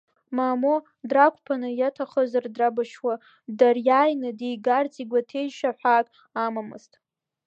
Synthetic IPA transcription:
maːmo | drakʷʰʼpʰanɨjatʰaχəzardrabaʃwa | darjaːjnɨdejɡart͡sʼiɡʷatʰe̞jʃaħʷaːkʼ | amamɨ̰ztʼ

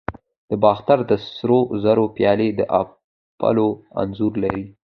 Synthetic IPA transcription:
d̪̥əbɑxt̪aɾd̪əsɾozaɾopjɑled̪əʔa̰ | pa̰loa̰nzuɾlaɾi

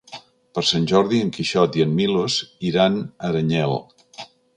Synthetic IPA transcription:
pəɾsanʲʒɔɾðiəŋkiʃɔt̪iənmiloziɾanəɾəɲɛlˠ

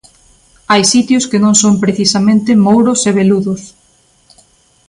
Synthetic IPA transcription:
ajsit̪jʊskɪnõŋsompɾeθisamẽnt̪ɪmowɾʊseβeluðʊs

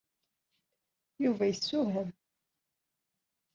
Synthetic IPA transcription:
juvæjəsːuɦəm

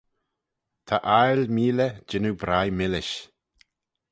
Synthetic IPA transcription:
t̪ʰaʔajlmiːləd͡ʒɪnubɾajmɪlɪʃ

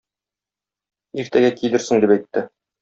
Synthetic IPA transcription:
iɾt̪æɡækilɘɾsɘ̆ŋd̪ipæjt̪ːɘ

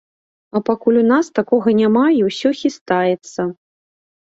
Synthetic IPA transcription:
ɐpakulʲunast̪akɔɣɐnʲamaiwsʲɔxʲist̪ajɛt̪sːɐ

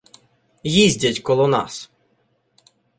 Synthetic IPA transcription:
jizʲdʲɐtʲkɔlˠɔnɑ̰s

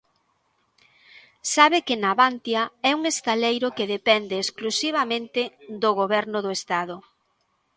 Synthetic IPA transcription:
saβɪkɪnaβant̪jɐɛuŋest̪alejɾʊkeðepɛnd̪eːsklusiβ̞amẽnt̪ɪd̪oɣoβɛɾnʊðoest̪aðʊ

